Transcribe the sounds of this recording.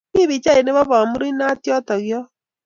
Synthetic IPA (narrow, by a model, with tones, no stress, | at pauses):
ki˦βi˨t͡ʃa˦i˨ne˦βɔ˦βɔ˨mu˦ɾi˦na˦tjɔ˦tɔ˨ɣjɔ˦